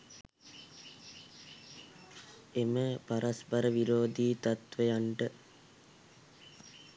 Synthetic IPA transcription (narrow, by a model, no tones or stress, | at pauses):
eməpaɾʔaspaɾəʋiɾoːd̪iːt̪at̪ʋejaɳʈə